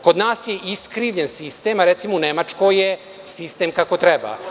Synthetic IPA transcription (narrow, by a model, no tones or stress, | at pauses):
ko̞d̪naːsjeʔiskɾiːʋʎensist̪eːmaɾet̪simounemat͡ʃkoje | sist̪e̞ːmkako̞t̪ɾɛba̰